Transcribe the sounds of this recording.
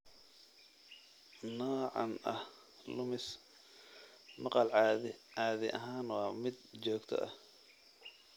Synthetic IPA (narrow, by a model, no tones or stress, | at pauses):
nɔːʕɑ̰nɐh | lʊmɪs | mɑqɑlɑːðɪʔɐɦaːnwɑːmɪd̪t͡ʃɔːɡt̪ʰɔ̰ʔɐh